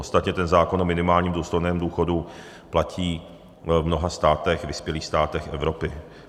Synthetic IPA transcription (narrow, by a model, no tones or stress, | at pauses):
ost̪at̪ɲɛt̪ɛnzaːko̞nʔomɪnɪmaːlɲiːmduːst̪ojnɛːmduːxo̞du | placʰiː | vmno̞ɦast̪aːt̪ɛxvɪspjɛliːxst̪aːt̪ɛxʔɛvɾo̞pɪ